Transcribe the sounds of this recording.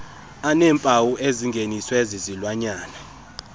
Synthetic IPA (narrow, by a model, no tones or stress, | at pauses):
anɛːmpʼawuʔeziŋɡʱeniswezizilwaɲaːna